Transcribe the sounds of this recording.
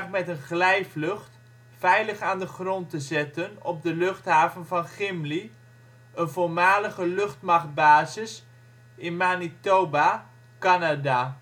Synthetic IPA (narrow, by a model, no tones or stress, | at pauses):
χmɛtənχlɛjflɵχt | fɛjləχaːndəχrɔntəzɛtənɔ̰b̚dəlɵχtɦaːvənvɑnχɪmli | ənvoɹmaːləɣəlɵχtmaχt̚baːzɪs | ɪnmanitowba | kanada